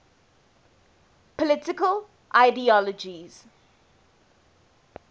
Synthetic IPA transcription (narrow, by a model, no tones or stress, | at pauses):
pɔlɪtɪkəl | ʔaɪdiɔləd͡ʒiz̥